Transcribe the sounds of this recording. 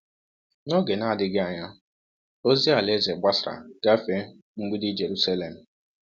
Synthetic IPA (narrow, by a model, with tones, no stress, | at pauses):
nɔ˦ɡe˨na˦a˦˨dɪ˦ɡɪ˦a˨ɲa˦ | o˦zi˦a˨le˦ze˨ɡ͡ba˦sɾa̰˨ɡ̥a˦fe˦ | ŋ͡m̩˦ɡ͡bi˦dɪ˦d͡ʒe˨ɾu˦sa˦le˨m̩˨